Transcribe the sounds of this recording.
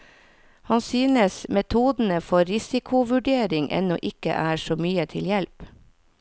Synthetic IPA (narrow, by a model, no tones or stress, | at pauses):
hɑnsyːnəsmɛt̪ʰuːd̪n̩əfɔɾɪsɪkʰʊʋʉɖeːɾɪŋʔɛ̰nɔ̰ʔɪkə̰ʔæːʃoːmyːət̪ʰɪljɛlp